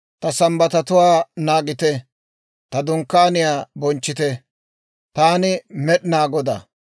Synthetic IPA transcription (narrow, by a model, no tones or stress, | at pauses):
t̪ɐsɐmbɐt̪ɐt̪ʊwaːnaːɡɪt̪ɛ | t̪ɐd̪ʊŋkːaːnɪjaːbɔnt͡ʃːɪt̪ɛ | t̪aːnɪmɛɗɪnaːɡɔd̪a̰